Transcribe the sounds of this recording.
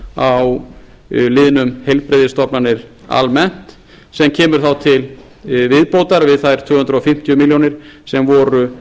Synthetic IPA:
aw | lɪːðɪnʏmhejlpɾeðɪst̪ɔpnanɪɾ | a̰lmɛn̥t̪ | sɛmcʰɛːmʏɾ̥θawt̪ʰɪl | vɪðpowt̪aɾvɪðθajɾ̥t̪ʰv̥ʏːhʏnt̪ɾɔfɪm̥t̪jʏmiljownɪɾ̥sɛmvɔɾʏ

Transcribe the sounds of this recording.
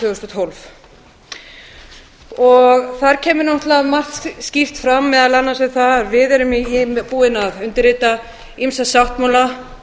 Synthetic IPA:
ʏːɣʏst̪ɔt̪ʰɔlv | ɔɣθaɾcʰɛːmʏɾnɔht̪laðmar̥t̪scift̪fɾamːɛðalanːasɪθaɾvɪðɛɾʏmipuːɪnaðʏnt̪ɪɾɪːt̪a | imsasawht̪mala

